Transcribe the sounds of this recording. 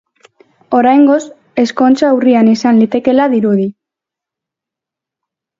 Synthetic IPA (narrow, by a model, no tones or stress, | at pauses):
o̞ɾajŋɡo̞s | e̞sko̞nt͡ʃaurianisanlit̪e̞ke̞laðiɾuði